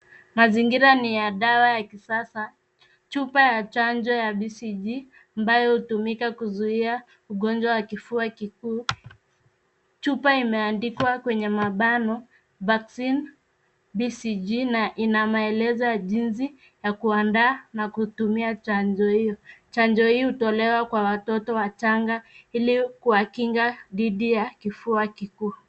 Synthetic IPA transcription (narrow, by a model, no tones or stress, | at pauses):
maziŋɡiɾanijaɗawajakisasa | t͡ʃupajat͡ʃand͡ʒɔjaɓisid͡ʒi | ambajɔhutumikakuzuia | uɠɔnd͡ʒwawakifuakikuː | t͡ʃupaimɛandikwakwɛɲɛmaɓanɔ | vaksin | bisid͡ʒinaʔinamaɛlɛzɔjaʄins̬i | jakuandaːnakutumiat͡ʃand͡ʒɔhijɔt͡ʃand͡ʒɔhiːhutɔlɛwakwawatɔtɔwat͡ʃaŋɡailikuwakiŋɡaðiɗijakifuakikuː